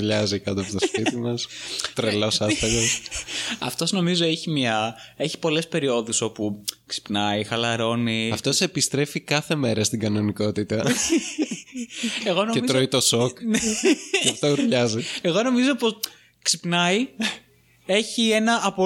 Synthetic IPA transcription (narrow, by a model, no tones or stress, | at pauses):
ɾʎɐzikɐt̪oɐpot̪osspit̪imɐst̪ɾelo̞sɐt̪ɐɣosɐ̰ft̪o̞zno̞mizo̞eçimɲɐe̞çi̥po̞le̞spe̞ɾio̞ðusopuksi̥pnɐixɐlɐɾo̞niɐft̪osepist̪ɾe̞fikɐθe̞me̞ɾɐst̪iɡɐno̞niko̞t̪it̪ɐ | eɣonoeizt̪oit̪o̞sokn | ɐft̪ouɾʎɐzieɣo̞no̞mizopos | ksipnɐi | e̞çie̞nɐːpo